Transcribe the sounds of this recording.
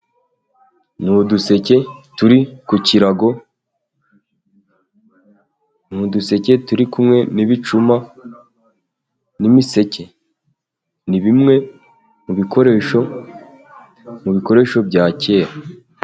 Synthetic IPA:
nuduse̞cetuɾikuciɾaɡo̞ | nuduse̞ce̞tuɾikumŋe̞niβit͡ʃuma | nimise̞ce̞ | niβimŋe̞ | muβikoɾeo | muβiko̞ɾe̞ʃo̞bɟaːce̞ːɾa

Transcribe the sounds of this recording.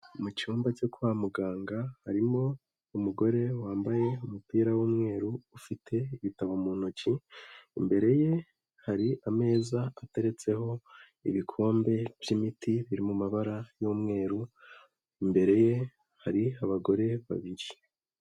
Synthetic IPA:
mut͡ʃuːmbat͡ʃo̞kuwamuɡaːŋɡahaɾimo̞ | umuɡo̞ɾe̞waːmbaje̞umupiːɾawuːmŋe̞ːɾuːfitʰe̞iβitaβomuːn̥ociːmbe̞ɾe̞je̞ | haɾiʔame̞ːzaate̞ɾe̞t͡se̞ho̞ | ḭβikʰo̞ːmbe̞vɟimitʰiβiɾimumaβaɾajuːmŋe̞ːɾu | imbe̞ɾe̞je̞ | haɾiaβaɡo̞ɾe̞βa̰βiɾi

